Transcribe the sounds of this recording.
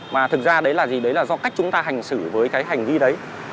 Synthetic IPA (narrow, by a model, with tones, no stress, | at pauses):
vaː˨˩t̪ʰɨ˨˩k̚zaː˧ɗə˨˦jlaː˨˩zi˨˩ɗə˨˦jlaː˨˩zɔ˧ka˦˥k̟̚t͡ɕʊ˨˦ŋ͡mt̪aː˧ɦa˨˩jŋ̟sɨ˧˩vəː˨˦jkaː˨˦jɦa˨˩jŋ̟vi˧ɗə˨˦j